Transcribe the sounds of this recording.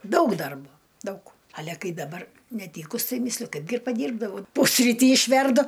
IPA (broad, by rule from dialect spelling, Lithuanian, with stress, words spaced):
ˈdɐʊk ˈdɐrboː ˈdɐʊk ˈɑːlʲɛ ˈkɐɪ dɐˈbɐr nʲɛˈtʲiːkʊs tɐɪ ˈmʲiːsʲlʲʊ ˈkɐɪbʲɡʲɪ ɪr pɐˈdʲiːrbdɐʋɐʊ ˈpʊsʲrʲiːtʲiː ɪʃʲˈʋʲɛrdʊ